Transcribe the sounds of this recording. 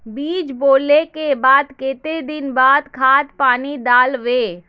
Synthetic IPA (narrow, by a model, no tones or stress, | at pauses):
biːd͡ʒboːlekebaːd̪kɪːt̪ed̪ɪnbaːd̪kʰaːt̪paːnid̪aːlʋeː